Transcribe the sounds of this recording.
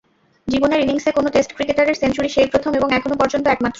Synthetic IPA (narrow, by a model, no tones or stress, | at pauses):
d͡ʑiboneɾiniŋsekonoʈesʈkɾikeʈaɾeɾsent͡ɕuɾiʃejpɾot̪ʰomeboŋɛkʰonopɔɾd͡ʑont̪oɛkmat̪ːɾo